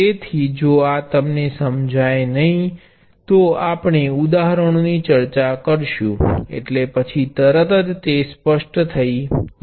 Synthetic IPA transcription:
et̪ʰid͡ʒoat̪əmnesəmd͡ʒʱajenəɦĩ | t̪oapɳ̃eud̪aɦɾəɳ̃onit͡ʃəɾt͡ʃakəɾʃũḛʈlepət͡ʃʰit̪əɾət̪əd̪t̪espəʃʈt̪ʰəi

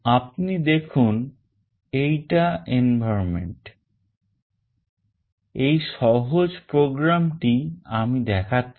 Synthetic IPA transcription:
ap̚nid̪ekʰun | ejʈaenbʱaɾomḛɳʈ | ejʃɔɦod͡ʑpɾoɡɾamʈiamid̪ɛkʰatː

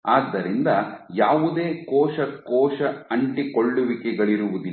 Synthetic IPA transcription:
aːd̪ːɐɾind̪ɐjaːʋud̪e̞ːkɔːʃɐkɔːʃɐɐɳʈikoɭːuʋikɛɡɐɭiɾuʋud̪i

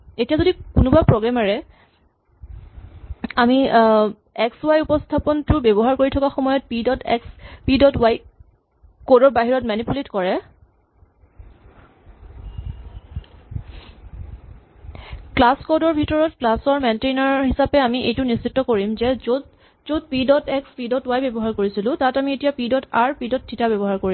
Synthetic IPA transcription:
etijazodikunʊbapɹoɡɹamaɹɛ | ami | ɛkswajupɔstʰapɔntʊbɛbɔɦaɹkoɹitʰɔkaxɔmɔjɔt̚pidɔtɛkspidɔtwaj | kodɔɹbaɦiɹɔtmanipuletkɔɹɛ | klaskodɔɹbʱitɔɹɔtklasɔɹmɛntenaɹɦisapɛamiʔejtʊnissitːɔkoɹimzɛzot | zot̚pidɔtɛkspidɔtwajbɛbɔɦaɹkoɹisilʊ̃tatamietijapidɔtaɹpidɔtʰːitabɛbɔɦaɹkoɹi

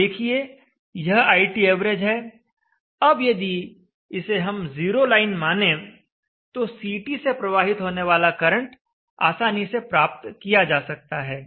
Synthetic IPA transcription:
d̪eːkʰie | jɐɦaːɪʈieːʋɾed͡ʒɦɛː | ɐbjed̪i | ɪseɦɐmziːɾolaːɪnmaːnẽ | t̪osiːʈisepɾɐʋaːɦɪt̪ɦoːneʋaːlakɐɾə̃ɳʈ | a̰ːsaːnisepɾaːp̚t̪kijad͡ʒaːsɐk̚t̪aɦɛː

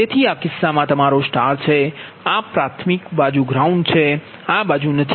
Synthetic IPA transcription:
et̪ʰiakɪsːamãt̪əmaɾosʈaɾt͡ʃʰe | apɾat̪ʰmikbad͡ʒuɡɾauɳɖt͡ʃʰe | abad͡ʒunət̪ʰ

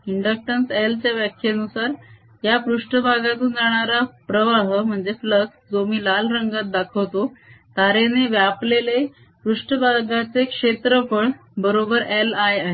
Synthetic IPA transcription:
iɳɖək̚ʈənselt͡ɕjaʋjakʰjeənusaɾ | japɾuʂʈəbʱaɡat̪uːnd͡zaɽ̃aɾapɾəʋaɦəm̤əɳd͡zefləksd͡zomiːlalɾəŋɡat̪̚d̪akʰəwt̪ot̪aɾeneʋjaplele | pɾuʂʈəbʱaɡat͡sekʂet̪ɾəpəɳbəɾobəɾelajaɦe

